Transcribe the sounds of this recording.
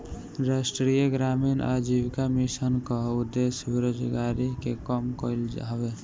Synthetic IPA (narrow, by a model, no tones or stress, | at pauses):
ɾasʈɾijəɡɾamina̰d͡ʒibkamisənkəud̪ːesjbeɾod͡ʒɡaɾikekɔmkəld͡ʒa̰be